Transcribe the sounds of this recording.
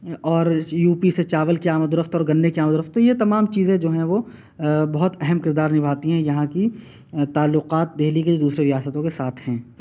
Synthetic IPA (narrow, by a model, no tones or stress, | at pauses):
ɔːɾjuːpiset͡ʃaːʋəlkiaːməd̪ʊɾəft̪ɔːɾɡɐ̃nːekiaːməd̪ʊɾəft̪ːojet̪ɐmaːmt͡ʃiːzẽd͡ʒoːɦɛ̃ʋo | bɐɦʊt̪ɛɦɛmkɪɾd̪aːɾnɪbʱaːt̪iɦɛ̃jɐɦãki | t̪aːlːʊqaːt̪̚d̪eːliked̪uːsɾeɾijaːsət̪õkesaːt̪ʰɦɛ̃ː